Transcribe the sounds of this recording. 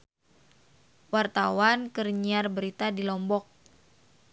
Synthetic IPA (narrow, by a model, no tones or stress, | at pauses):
wart̪awankərɲiarbəɾit̪adilɔmbɔk̚